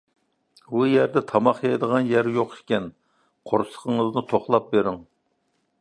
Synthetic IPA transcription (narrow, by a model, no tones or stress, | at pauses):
bujæɾd̪ɛt̪ʰɑmɑχjɑjd̪əʁɑnjæɾjoqʃkʲɛn | qʰoɾsə̥qʰəŋəznɨt̪ʰoχlˠɑp̚beɾɪŋ